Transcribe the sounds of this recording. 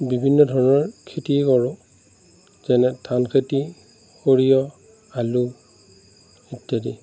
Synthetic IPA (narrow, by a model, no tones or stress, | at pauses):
bibʱinːɔdʱɔɹɔnɔɹkʰetiɛkɔɹʊ̃ | z̥ɛnɛtʰankʰeti | koɹijɔ | alu | itjadi